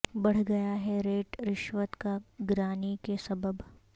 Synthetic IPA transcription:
bɐɽ̤ɡɐjaɦɛɾeːʈɾɪʃʋət̪kaɡɾaːnikesɐbəb

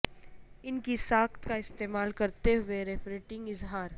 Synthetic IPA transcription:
ɪnkisaːkt̪kaɪst̪eːmaːlkɐɾt̪eɦʊeɾeːfɾeːʈɪ̃ŋɡɪzɦaːɾ

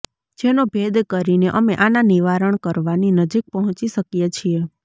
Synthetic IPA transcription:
d͡ʒenobʱed̪kəɾineʔəmeʔananiʋaɾəɳkəɾʋaninəd͡ʒik̚pəɦɔ̃t͡ʃiʃəkjet͡ʃʰie

